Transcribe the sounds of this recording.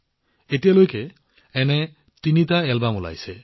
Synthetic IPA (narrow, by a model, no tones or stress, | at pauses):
etijalojkɛ | ɛnɛ | tinitaɛlbamula̰jsɛ